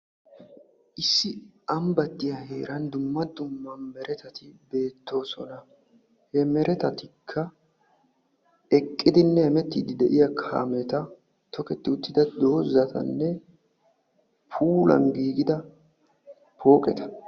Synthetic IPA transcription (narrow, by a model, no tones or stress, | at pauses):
ʔɪsːɪɐmbɐt̪ːɪjɐhe̞ːɾɐnd̪ʊmːɐd̪ʊmːɐmɛɾʔɛt̪ɐt̪ɪbe̞ːt̪ʰːo̞ːsɔnɐ | hɛmɛɾʔɛt̪ɐt̪ɪkʰːɐ | ɛkʼːɪd̪ɪnːɛhɛmɛt̪ːiːd̪ɪd̪ɛʔɪjɐkʰa̰ːmɛt̪ɐ | t̪ʰɔkɛt̪ːɪʊt̪ːɪd̪ɐd̪o̞ːzːɐt̪ʰɐ̰nːɛ | pʰuːlɐ̰nɡiːɡɪd̪ɐ | pʰo̞ːkʼɛt̪ɐ̥